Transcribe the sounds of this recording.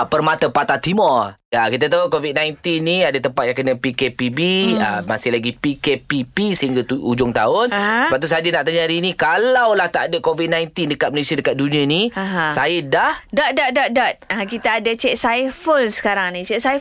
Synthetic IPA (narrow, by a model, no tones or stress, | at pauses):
pərmat̪apat̪at̪imɔrjakit̪at̪aukovit̪̚nãjnt̪inːiadat̪əmpat̪̚jaŋkənəpikepibiəmasɪhlaɡipikepipisəɦiŋɡat̪uud͡ʒʊŋt̪a̰ʊnəpap̚t̪usad͡ʒanaʔt̪aɲaɾinikalawlaht̪aʔdəkovit̪̚nãjnt̪indəkat̪̚məlesiadəkat̪̚dunĩãniaɦãsajədahdadadaʔ̚dat̪̚akit̪aːdat͡ʃɛʔsajfəlsə̥kaɾaŋnĩt͡ʃɛʔsa